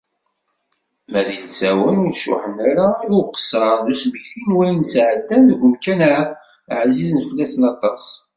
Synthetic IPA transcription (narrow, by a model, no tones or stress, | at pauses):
mæðinsæwænʊɾʃʊ̰ħənæɾaðuqə̥sːɾˤɑðusməçθinwæjnsʕəd̪ːænɡʷəmkæna | ʕzizənfəlːæsənɑt̪ˤɑs